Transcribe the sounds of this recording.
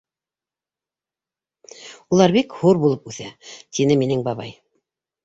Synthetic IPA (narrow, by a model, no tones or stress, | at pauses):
ulˠɑɾbikhuɾbulˠɤpʉθæt̪inɘminɘŋbɑβɑ̰j